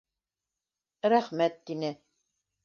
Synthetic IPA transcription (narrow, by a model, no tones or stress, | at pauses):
ɾæχmæt̪ːinɘ